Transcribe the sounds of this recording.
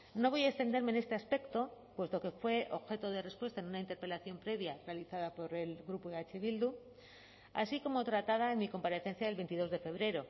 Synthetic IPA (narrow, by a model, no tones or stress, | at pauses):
no̞βo̞jaekst̪e̞nd̪eɾme̞nest̪e̞aspe̞kt̪o̞pwe̞st̪o̞ke̞fwe̞ʔo̞βxe̞t̪o̞ðe̞re̞spwe̞st̪aenunaint̪e̞ɾpe̞laθjo̞mpɾe̞βjarealiθaðapo̞ɾe̞lɣɾupueat͡ʃeβild̪u | a̰siko̞mo̞t̪ɾat̪að̞aenmiko̞mpaɾe̞θe̞n̟θjaðe̞lβent̪iðo̞zðe̞fe̞β̞ɾe̞ɾo̞